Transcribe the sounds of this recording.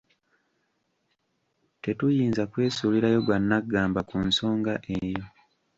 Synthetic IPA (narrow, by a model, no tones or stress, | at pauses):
te̞tujiːnzakwe̞ːsuliɾajo̞ɡwanːaɡːaːmbakunso̞ːŋɡaʔejo̞